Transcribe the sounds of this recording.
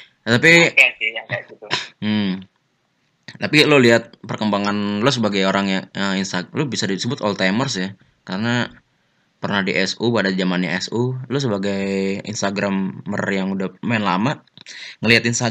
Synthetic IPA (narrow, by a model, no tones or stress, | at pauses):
t̪apisiaait̪u | t̪apiloliɦat̪̚pərkəmbaŋanlʊsəbaɡajoɾaŋjaəinst̪alobisadisəbʊt̪ɔlt̪amərsɪh | kaɾəna | pərnahdiʔɛsubadad͡ʒamanɲaʔɛsulʊs̬əbaɡajḭnst̪aɡɾamːərjaŋudamaɪnlamaŋəliɦat̪inst̪a